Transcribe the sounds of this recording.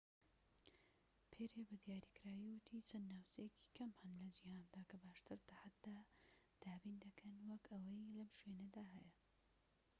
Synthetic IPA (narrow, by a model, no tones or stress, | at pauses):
pʰeɾebɨd̪jaːɾikɨɾaːjiwʊt̪ʰiːt͡ʃɐnːaːwt͡ʃɐjekʰi̥kʰɐmhɨnlɐd͡ʒihaːnd̪aːkʰɐbaːʃt̪ɨɾt̪ʰaħat̪̚d̪aː | d̪̥aːbind̪ɐkʰɐnwɐkɐwɐjlɐmʃweːnɐd̪aːɦɛjɐ